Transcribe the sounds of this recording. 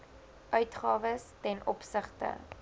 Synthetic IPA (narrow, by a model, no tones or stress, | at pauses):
ʔœɥtχɑːvəstɛnʔɔ̰psəχtə̰